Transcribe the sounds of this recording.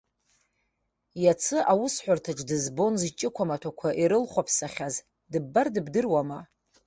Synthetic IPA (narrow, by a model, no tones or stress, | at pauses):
jat͡sʰɨʔawʊsħʷʊrtʰaʈ͡ʂʼdɨzbo̞nzt͡ʃʼɪkʷʰamatʷʰakʷʰaʔiɾɨlχʷapʰsaχʲaz | dɨbːardɨbdɨrwama